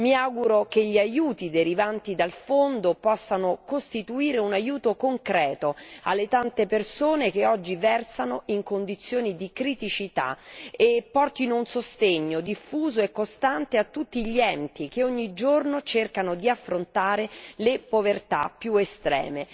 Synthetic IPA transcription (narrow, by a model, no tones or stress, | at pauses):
miaɡuɾokeʎːiajuːt̪id̪eɾivant̪id̪alfond̪opɔsːanokost̪it̪uiːɾeunajuːt̪okoŋkɾɛːt̪oa̰lːet̪ant̪epersoːnek̟eɔd͡ʒːivɛrsanoiŋkond̪it̪sːjoːnid̪ikɾit̪it͡ʃit̪a̰epːɔrt̪inounsost̪eɲːod̪ifːuːzoekːost̪ant̪eat̪ːut̪ːiʎiɛnt̪ik̟eoɲːid͡ʒornot͡ʃerkanod̪iafːɾont̪aːɾelepovert̪a̰pːjuest̪ɾɛ̰ːme